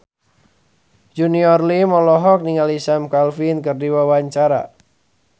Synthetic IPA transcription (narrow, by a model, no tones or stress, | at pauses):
d͡ʒuniɔrlimɔlɔɦɔk̚niŋalisamkalfinkɨrdiwawaɲt͡ʃaɾa̰